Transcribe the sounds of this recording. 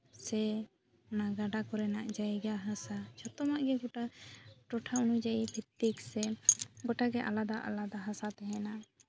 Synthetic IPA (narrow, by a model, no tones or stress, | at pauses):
sɛ | naɡaɖakɔɾɛnaʔd͡ʒajɡaɦasat͡ʃʰɔt̪ɔmaʔɡɛɡɔʈaʈɔʈʰaunud͡ʒaipʰit̪ːiksɛɡɔʈaɡɛʔa̰lad̪aʔa̰lad̪aɦasat̪ɛɦɛna